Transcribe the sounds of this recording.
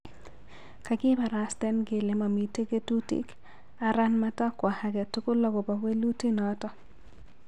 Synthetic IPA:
ka˨ɡɪ˦ba˨ɾa˨stɛ˦nɡe˨le˨ma˨mi˨˦te˦ke˦tu˦tḭ˨k | a˨ɾa˦nma˦ta˦kwa˨ha˦ɡɛ˨tu˦ko˦lɔ˦ɡɔ˨ba˨we˦lu˦ti˦nɔ˨tɔ˦

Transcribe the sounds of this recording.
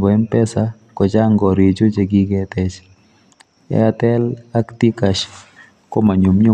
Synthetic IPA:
bɔ˨ɛ˦npɛ˦sa˦ | kɔ˨t͡ʃa˦ŋɡɔ˨ɾi˨d͡ʒo˦d͡ʒe˨ɡɪ˦ɡɛ˦tɛ˨t͡ʃ | ɛ̰˦a˨tɛ˦la˦kti˦ka˨ʃ | ko˦ma˨ɲu˨mɲʊ˦

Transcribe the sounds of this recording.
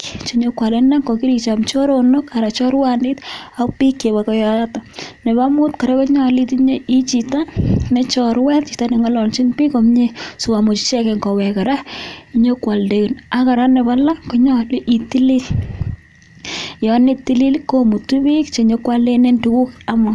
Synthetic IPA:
kt͡ʃe˨ɲo˦kwa˨le˦na˦ŋko˨ki˦ɾit͡ʃa˨mt͡ʃo˦ɾono˦kaɾa˨t͡ʃɔ˦ɾwanɪ˦ta˨kpi˦kːe˨βa˨kɔ˦jaatanɛ˨ba˦mʊ˦tka˨ɾe˦kɔ˦ɲa˨li˦tiɲo˦i˦t͡ʃitanɛ˦t͡ʃɔ˨ɾwɛ˦tt͡ʃi˨ta˦nɛ˨ŋa˦lɔ˨lt͡ʃi˦npi˦kɔ˨mɲe˦su˨wa˨mʊ˨t͡ʃi˦t͡ʃɛ˦kɛ˨ŋkɔ˨wɛ˨ka˨ɾa˦i˦ɲo˦kwa˨lde˦ku˨na˦ka˨ɾa˦nɛ˨bala˦ŋkɔ˨ɲa˦lʔi˨ti˦li˦l | jɔ˨ne˦ti˦li˦lkːo˦mu˨tu˦βi˦kt͡ʃe˨ɲo˦kwa˦le˦ne˦ntu˦ku˦kamɔ˨

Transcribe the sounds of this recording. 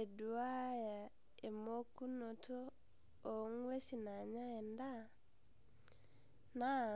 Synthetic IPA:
e˨du˨a˦ja˨ | e˨mo˦ku˦no˨tʰo˦ | o˨˦ŋwe˦si˨na˨ɲa˦ɛ˨nda˦ | na˦

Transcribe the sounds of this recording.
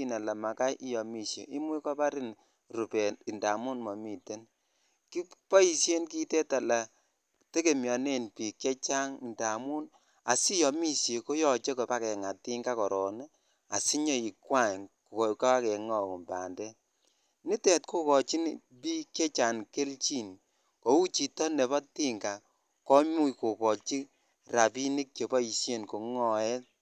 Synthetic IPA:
i˦na˨la˨ma˨ka˦jʔi˦jɔ˨mi˦˨sjḛ˨ʔi˦mwe˦kɔ˦pa˦ɾi˦n | ru˨pɛ˨i˨nda˨mu˦nmɔ˨mi˨te˦n | ki˦pɔ˦i˨sje˦nk̬i˦te˦ta˨la˨ | te˦ke˨mjɔ˨ne˦˨npi˨kɛ˦t͡ʃa˦ŋi˨nda˨mu˦n | a˨si˦jɔ˨mi˦sje˨ko˦jɔ˨t͡ʃe˦kɔ˨pa˦kɛ˨ŋa˨ti˦ŋɡa˦kɔ˨ɾɔː˨ne˦ | a˨si˦ɲɔ˦i˨kwa˦˨ko˨kka˦a˦kɛ˨ŋɔ˨ku˨mba̰˨ndɛ˦ | ni˦tɛ˨t̚ko˦kɔ˨t͡ʃi˦n | pi˦ke˦t͡ʃa˨nke˦lt͡ʃi˦n | ko˨u˦t͡ʃi˨tɔ˦ne˨bɔ˦ti˦ŋɡa˨ | kɔ˦ɲu˦iko˨kɔ˨t͡ʃi˦ | ra˨pi˦ni˦k̚t͡ʃe˨bɔ˦i˨sje˦˨nko˨ŋɔ˨ɛ˦t̚

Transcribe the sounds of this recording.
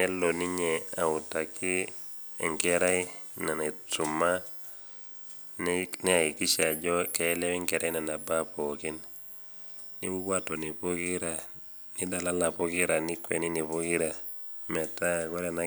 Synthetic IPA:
nɛ˦lːo˨ni˦ɲea˨u˨ta˨ki˦ | e˨ŋkɛ˦ɾa˦ina˨ne˨tu˨ma˦ | nnɛ˦a˨i˨ki˦ʃa˨ɟɔ˦ke˨ɛ˦lɛ˦wi˦ŋkɛ˨ɾa˦jna˨na˨ba˦poki˦n | ni˦mu˦bwa˦to˨ni˨po˦ki˦ɾa˨ | ni˦da˨la˦la˨po˦ki˦ɾa˨ni˦kwḛ˨ni˦ni˨po˦ki˦ɾa˨ | mɛ˨ta˦ko˦ɾɛ˨na˦

